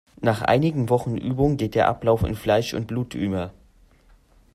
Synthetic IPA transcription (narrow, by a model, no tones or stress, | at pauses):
naːχʔa̰ɪnɪɡŋ̩vɔχn̩ʔyːbʊŋɡeːt̚d̥eːɐʔaplaʊfɪ̰nflaɪʃʊ̰nt̚b̥luːtʰʔyːmɐ